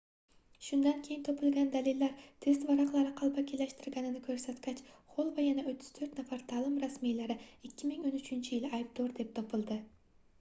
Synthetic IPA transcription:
ʃʊnd̪ankʲʰe̞jɪnt̪ʰopʰɪlˠɡʲand̪alilːaɾt̪ʰe̞st̪vɑɾɑqlˠaɾɪqʰɑlˠbakʲʰelaʃt̪ɪɾɡʲanɪnɪkʲʰɵɾsat̪kʲʰat͡ʃχolˠvajanaot̪ʰːʏ̥z̥t̪ʰɾt̪nafaɾt̪ʰalˠɪmɾasmijlaɾɪɪkʲʰːɪmɪŋo̞nʏt͡ʃʰɪnt͡ʃʰɪjɪlˠajɪb̚d̪oɾd̪e̞p̚t̪ʰopʰɪlˠd̪ɪ

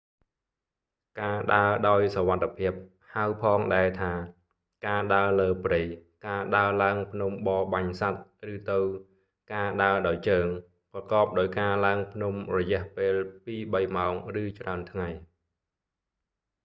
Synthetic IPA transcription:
kaːɗaəɗaɔjsɔʋat̪ʰːepʰiəp̚ | haəwpʰɑːŋɗaɛt̪ʰaː | kaːɗaələːprɨjkaːɗaəlaəŋpʰnumɓɑːɓaɲsat̪̚rɨːt̪ɨw | kaːɗaəɗaɔjt͡ɕəːŋ | prɑkɑːp̚ɗaɔjkaːlaəŋpʰnumrɔjɛ̆əhpeːlpiːɓəjmaɔŋrɨːt͡ɕraənt̪ʰŋaj

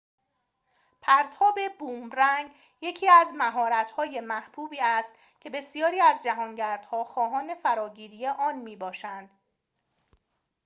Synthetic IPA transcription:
pʰæɾt̪ʰɒːbe̞buːmɾæŋɡ | je̞cʰiːæzmæɦɒːɾæt̪ʰhɒːje̞mæhb̥uːbiːæst̪ | cʰe̞be̞sijɒːɾiːæzd͡ʒæɦɒːŋɟæɾd̪̥hɒːxɒːɦɒːne̞fæɾɒːɟiːɾiːje̞ʔɒːnmiːbɒːʃænd̪̥

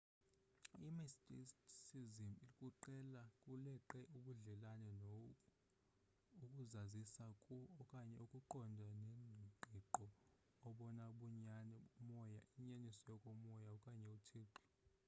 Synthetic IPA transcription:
imistʼissizimilikʼuǃɛlakʼulɛǃɛʔuɓuɮɛlanɛnɔ | ukʼuzazisakʼuɔkʼaɲɛukʼuǃɔndʱanenʱiǃʱiǃɔː | ɓɔnaɓuɲanɛmɔjaiɲanisɔjɔkʼɔmɔjaukʼaɲɛutʰeːǃi̥

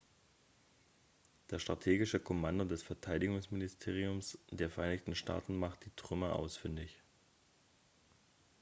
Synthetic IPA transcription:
d̥eːɐʃtʁ̥atʰeːɡɪʃəkʰɔmandodɛsfɛɐtʰaɪdɪɡʊŋsmɪnɪstʰeːʁ̞iʊmsd̥eːɐfɛɐʔaɪnɪçtn̩ʃtʰa̰ːtn̩maχt̚d̥iːtʁ̥ʏməʔa̰ʊsfɪndɪç

